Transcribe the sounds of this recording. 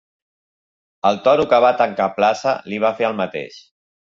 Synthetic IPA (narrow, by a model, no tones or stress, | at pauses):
əlˠt̪ɔɾukəβ̞at̪əŋkaplasə̰liβ̞afeəlˠmət̪ḛʃ